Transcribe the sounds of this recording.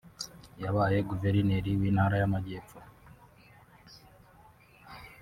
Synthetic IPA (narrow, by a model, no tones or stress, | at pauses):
jaβaːje̞ɡuveɾineɾiwiːnhaːɾajamaɟeːfo